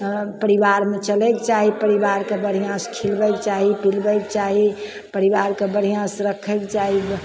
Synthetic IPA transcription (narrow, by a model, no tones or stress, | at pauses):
pəɾiʋaɾmet͡ʃəlekt͡ʃaɦipəɾiʋaɾkebəɾ̤ijãskʰilbɛkt͡ʃaɦipilbɛkt͡ʃaɦi | pəɾiʋaɾkebəɾ̤ijãsɾəkʰɛkt͡ʃaɦi